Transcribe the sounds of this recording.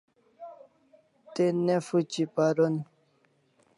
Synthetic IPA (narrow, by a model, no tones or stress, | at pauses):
tenɛfut͡ʃipaɾɔn